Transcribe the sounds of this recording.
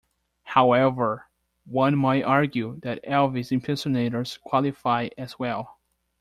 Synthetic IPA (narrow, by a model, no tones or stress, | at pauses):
haʊɛvə˞ | wʌ̃nmaɪɾɑɹɡjuðɨɾɛlˠvizɨ̃mpʰɛ̃nsɨneɪɾə˞z̥kʰw̥ɑlˠɨfaɪɨzwɛlˠ